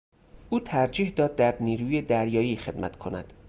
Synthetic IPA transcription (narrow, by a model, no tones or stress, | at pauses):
ʔuːt̪ʰæɾd͡ʒiːhd̪ɒːd̪̚ːæɾniːɾuːjed̪æɾjɒːjiːxe̞d̪mæt̪ʰkʰonæ̰d̪̥